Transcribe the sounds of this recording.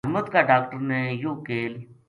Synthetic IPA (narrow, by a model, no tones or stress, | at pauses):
ɦməd̪kaːɖaːkʈəɾneːjoːkeːl